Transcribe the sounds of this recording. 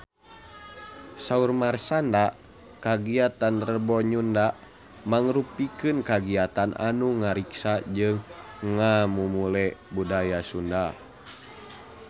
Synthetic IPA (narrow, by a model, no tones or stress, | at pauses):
saurmarsanda | kaɡiat̪anrəbɔɲunda | maŋɾupikɨnkaɡiat̪anʔa̰nuŋaɾiksad͡ʒɨŋːamumulɛbudajasunda